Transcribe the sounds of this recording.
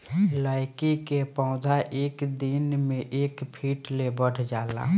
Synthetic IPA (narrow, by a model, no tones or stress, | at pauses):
laːɪkikepãʊd̪ʱaʔeːkd̪inmẽʔeːkpʰiːʈlebəɽ̤ʰʱd͡ʒaːla̰